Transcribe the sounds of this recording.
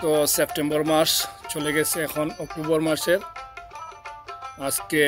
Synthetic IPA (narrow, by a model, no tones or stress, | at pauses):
kɔsep̚ʈembɔɹmaɹssʰoleɡɛsʰeːkʰɔnɔk̚ʈubɔɹmaɹset | azke